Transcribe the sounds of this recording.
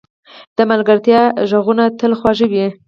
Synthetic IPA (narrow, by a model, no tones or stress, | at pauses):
d̪̥əmalɡaɾt̪jɑʒaɣunat̪əlxwɑʒəwi